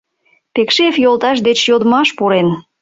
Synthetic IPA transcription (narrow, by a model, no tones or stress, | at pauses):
pekʃefjolt̪ɑʃd̪et͡ɕjod̪əmɑʃpuɾen